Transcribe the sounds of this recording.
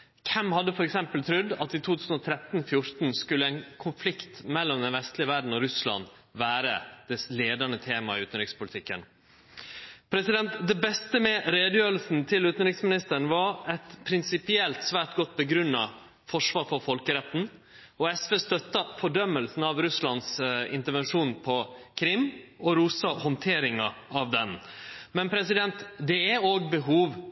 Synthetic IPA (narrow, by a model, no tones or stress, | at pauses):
kʰɛmhɑd̪ːəfɔɾɛksɛmpəlt̪ʰɾʉd̪ːɑt̪iːt̪ʰuːt̪ʰʉːsn̩ɔt̪ʰɾɛt̪n̩fjʊɾt̪n̩skʉlːəæɪnkʰʊnflɪkt̪mɛlːɔmd̪ɛnʋɛst̪lɪəʋæɖɳ̩ɔɾʉslɑ̰n | ʋæːɾə̰d̪̥ɛsleːd̪ɑnət̪ʰeːmɑɪʉːt̪nɾɪkspʊlɪt̪ʰɪkːə̰n | pʰɾɛsɪd̪ɛnt̪d̪ɛbɛst̪əmɛɾeːd̪əjøːɾl̩sn̩t̪ʰɪlʉːt̪ən̩ɾɪksmɪnɪst̪əɳ̩ʋɑɾɛt̪pʰɾɪnsɪpɪɛlt̪sʋæːʈɡɔt̪̚ːbəɡɾʉnːɑ | fɔʂʋɑːɾfɔɾfɔlkəɾɛt̪ːn̩ | ɔɛsʋeːst̪œt̪ːɑfɔɖœmːəlsn̩ɑʋɾʉslɑnsɪ̰nt̪əɾʋɛnʂuːnpʰɔkʰɾɪmːɔɾuːsɑhɔnt̪ʰeːɾɪŋɑɑʋd̪ɛnmɛnpʰɾɛsɪd̪ɛnt̪d̪ɛæoːɡbəɦuːʋ